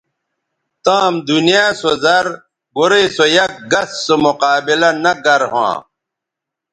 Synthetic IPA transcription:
t̪ãːmd̪unijaːsozɐɾ | boɾesojɐk̚ɡɐsːomuqaːbilɐnɐɡɐɾɦã̰ː

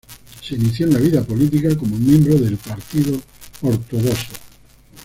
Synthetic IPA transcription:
seniθjonaβiðapolit̪̬ikakomomjembɾoðe̞lpaɾt̪iðooɾt̪oɣoso

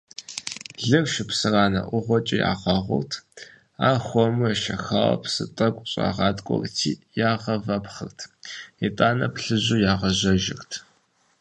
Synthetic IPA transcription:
ɮɨvʃɪpsɨraːnɐ̰ʔʷʊʁʷɔt͡ʃʼɪja̰ːʁɑʁʷʊ̰rtʰ | aːχʷɔmɨɐʃɐxaːwɐ̰psɨtʼɐkʷʼɕʼa̰ːʁɑːtʼkʷʼɔ̰rtʰiːjaːʁɐvɐpχɨrtʰitʼaːnɐpɬɨʑujaːʁɐʑɐʒɪrtʰ

